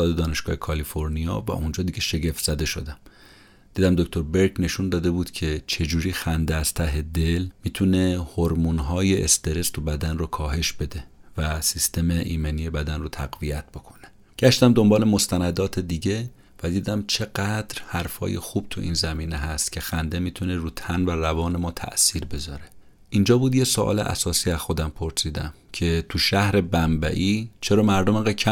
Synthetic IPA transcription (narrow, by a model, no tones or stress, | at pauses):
ɒːd̪ed̪ɒːne̞ʃɡ̥ɒːhekʰɒlifo̞ɾnijɒːvæ̰ʔund͡ʒɒːd̪iɟe̞ʃe̞ɟe̞ft̪z̥æd̪e̞ʃo̞d̪æm | d̪̥iːd̪æmd̪o̞kcʰʲt̪ʰo̞ɾbe̞ɾcne̞ʃund̪ɒːd̪e̞buːd̪cʰe̞t͡ʃʰe̞d͡ʒuːɾiːxænd̪eæz̥t̪ʰæɦe̞d̪e̞lmiːt̪ʰune̞hoɾmunɦɒːje̞ʔest̪e̞ɾe̞st̪ʰubæd̪ænrokʰɒːɦe̞ʃbe̞d̪e̞væsist̪e̞me̞ʔiːmeniːje̞bæd̪ænrot̪ʰæɡvijæt̪̚ʰb̥o̞kʰo̞ne | ɟ̥æʃt̪æmd̪o̞mbɒːle̞mo̞st̪ʰænæd̪ɒːt̪ʰe̞d̪iːɟe̞ | væd̪iːd̪æmt͡ʃʰe̞ɡæd̪̥ɾhæɾfɒ̰ːjḛxuːb̥̚t̪ʰuʔḭːnzæmiːneɦæst̪cʰe̞xænd̪e̞miːt̪ʰuneɾuːt̪ʰænværævɒːne̞mɒːt̪ʰæ̰ʔsiːɾbe̞zɒ̰ːɾe̞ | ʔind͡ʒɒːbuːd̪jesoʔɒ̰ːlḛʔæ̰sɒːsiːæz̥xo̞d̪æmpʰo̞ɾsiːd̪æ̰m | cʰe̞t̪ʰuʃæhɾe̞bæmbæ̰ʔiːt͡ʃʰeɾɒːmæɾd̪omeŋɡæd̪̚kcʰæ